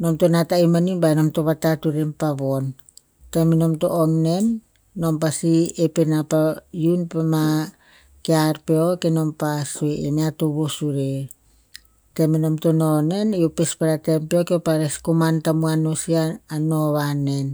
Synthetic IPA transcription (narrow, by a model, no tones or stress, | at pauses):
no̞mtonataimanibano̞mto̞βatatuɾempaβon | temino̞mto̰ʔoŋne̞nː | o̞mpasiepenapajunpema | keaɾpeokeno̞mpasoeeneatoβosuɾe | temino̞mtonone̞niopespaɾatempeokeopaɾeskomantamuanosiaːno̞βane̞n